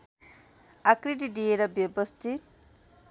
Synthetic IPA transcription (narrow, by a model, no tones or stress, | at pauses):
akɾiɖiɖijeɾʌbjʌbʌst̪ʰit̪̚